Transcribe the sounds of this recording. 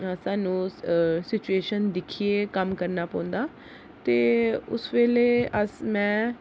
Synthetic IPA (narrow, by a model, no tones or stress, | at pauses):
əsãːnũːsɪt͡ʃueːʃənd̪ɪkʰieːkəmkəɾnaːpɔ̃ːʊ̃nd̪aː | t̪eːʊ̰sʋeːleːəsmɛ̃ː